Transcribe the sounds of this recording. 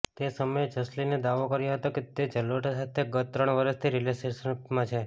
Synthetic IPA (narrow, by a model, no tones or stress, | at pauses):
t̪esəməjed͡ʒəslined̪aʋokəɾjõɦət̪oket̪ed͡ʒəlʋəʈasat̪ʰeɡət̪ːɾəɳʋəɾəst̪ʰiɾileseʃənmãt͡ʃʰe